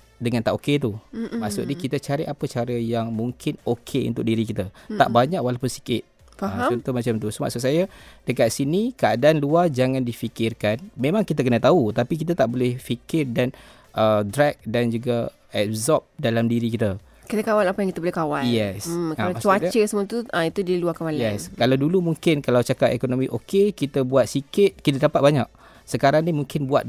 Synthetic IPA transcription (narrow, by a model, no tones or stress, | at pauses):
dəŋant̪aʔoket̪̬umaʔsʊ̰ʔdəkit̪ət͡ʃaɾɪʔapət͡ʃaɾəjaŋmũŋkʰɪnokʰeṵnt̪ʊk̚diɾikit̪at̪a̰ʔbaɲaʔkwalapʊnsi̥kɪt̪̚ | faaɔnt̪umat͡ʃamt̪usəma̰ʔsʊʔ̚sajad̥əkat̪̚sinikəadaʔanluard͡ʒaŋãndifikɪrkanmẽmãŋkit̪əkənət̪aut̪apik̬it̪at̪aʔbolɛhfikɪrdan | ʔədɾak̚dand͡ʒuɡa | ɛzɔp̚dalamdiɾikit̪a | kit̪akawalapajaŋkit̪abolɛhkawajɛskaaat͡ʃuat͡ʃəsəmũət̪uait̪udiiluakawaljaɛskalawdulumuŋkɪnkalawt͡ʃakapḛkonomĩʔokekit̪abuat̪̚sikɪt̪̚kit̪adapat̪̚baɲak̚ | səkaɾaŋnimũŋkɪnbua̰t̪̚